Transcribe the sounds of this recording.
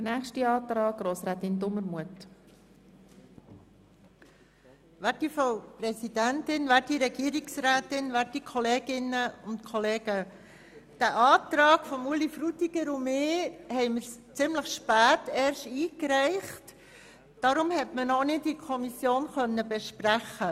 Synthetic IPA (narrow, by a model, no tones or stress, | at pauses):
d̥ənæːxʃtiɑːtɾɑːɡ̚ɡɾoːsɾɛːt̪ɪndʊməɾmuət | ʋætifoʊpɾɛsid̥æntɪnʋæiɾɛɡ̥iːəɾiksɾæːtɪnʋæikʰɔleːɡɪnːəʊntkʰɔleːɡ̥ə | d̥æʔɑːtɾɑːɡ̥fɔmulifɾutiɡ̥əɾʊmɪːhɛɪməɾst͡sɪmləχʃpæːtɛːɾʃtiːkɾɛɪχt | d̥ɑɾʊmhɛtmənɔnɪtikʰɔmisjoːnχœnːəbɛʃpræχə